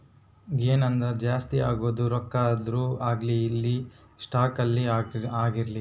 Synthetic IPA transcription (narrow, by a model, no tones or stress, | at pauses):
ɡeːnɐnd̪ɾed͡ʒaːst̪iaːɡoːd̪uɾɔkːaːd̪ɾuːaːɡliːlːi | sʈaːkɐlːiaːɡiɾli